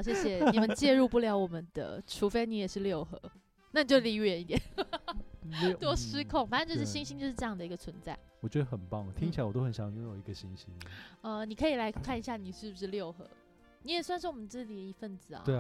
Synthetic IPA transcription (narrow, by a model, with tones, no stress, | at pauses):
ɕjɛ˥ɕjɛ˨˧ni˨˩mə˦nt͡ɕjɛ˥˧ɻu˥˧pu˥˩ljɑ˧˥ʊwɔ˨˩mə˦nd̪̥ə̰˩ʈ͡ʂʰu˧˥fe˥ɪni˧˥jɛ˨˩ʂɻ̩˥˧ljo˥˩ʊxɤ̰˧˥˦ | na˥˩ni˨t͡ɕo˥˧˩li˧˥˧ɥɛ˧˥ni˥˩t̪jɛ˨˩n | t̪wɔ˥ʂɻ̩˥kʰʊ˥˨ŋfa˨˩ə˥˧nʈ͡ʂɤ˥˩ɛ˥˩ɕi˥ŋɕĩ˥ŋt͡ɕjo˥˧ʂɻ̩˥˧ʈ͡ʂjɑ˥˩ŋd̪ə˩i˧˥ɡə˧t͡sʰwə˧˦nt͡sa˥˩ɪwɔ˨˩t͡ɕɥɛ˧˥d̪ə˧xə˨˩npɑ˥˩ŋ˩t̪ʰi˥ŋit͡ɕʰla˥ɪwɔ˨˩t̪o˥xə˧˦nɕjɑ˧˥˦ŋ˨˧o˥˧˥jo˨˩i˧˦ɡə˧ɕi˦˥ŋɕi˥ŋə˧ni˨˩kʰɤ˧˥i˨˩la˧˥ɪkʰa˥˩ni˧˩ɕja˥˩ni˨˩ʂɻ̩˥˩bu˩ʂɻ̩˥˧ljo˥˩ʊxɤ̰˧˥ | ni˧˥jɛ˨˩swa˥˧nʂɻ̩˥˩wɔ˨˩mə˦nt͡s̩˥˩t͡ɕi˨˩ə˩i˧˥fə˥˩nd͡zɹ̩˨˩ɐ̰˩we˥˩